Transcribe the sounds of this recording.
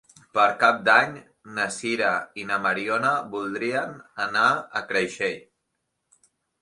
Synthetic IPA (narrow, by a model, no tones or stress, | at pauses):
pəɾkap̚d̪aɲ | nəsiɾainəməɾionəbulˠd̪ɾiənənaəkɾəʃeʎ